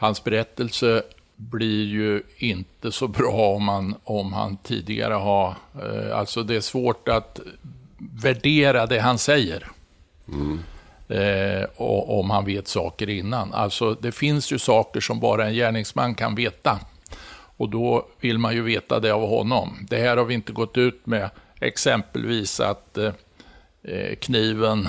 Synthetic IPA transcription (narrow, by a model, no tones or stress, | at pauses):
hansbɛɾɛt̪ːəlsə | blɪɾjɵɪnt̪əsɔbɾɑːɔmhanɔmha̰nt̪ʰḭːd̪ɪɡa̰ɾəɦaɾa̰lsɔd̪ɛæʂvoːʈat̪ | væɖeːɾad̪ɛɦansɛjːə̰ɾ | ɔɔmhanveːt̪sɑ̰ːkəɾɪnːana̰lt̪sɔd̪ɛfɪnsjɵsɑːkəʂɔmbɑ̰ːɾaɛnjæːɳɪŋsmanːkʰa̰nveːt̪a | ɔd̪ɔvɪlmanjɵveːt̪a̰d̪ɛavɦɔ̰nːɔmd̪ɛhæːɾhavɪnt̪əɡɔt̪ːʉ̟ːt̪mɛɛ̰ksɛmpə̰lviːsa̰t̪ | kʰniːvən